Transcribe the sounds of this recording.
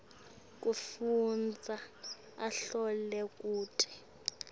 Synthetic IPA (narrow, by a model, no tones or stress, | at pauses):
k̬ʼufund͡zʱa | aɬɔlɛkʼuːtʰʼi̥